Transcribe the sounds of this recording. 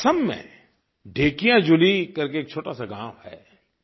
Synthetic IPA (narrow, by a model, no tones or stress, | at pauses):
səmːḛ̃ | ɖʱeːkijãd͡ʒʊlikɐɾkeːk̚t͡ʃʰoːʈasaɡãːmhɛ̰ː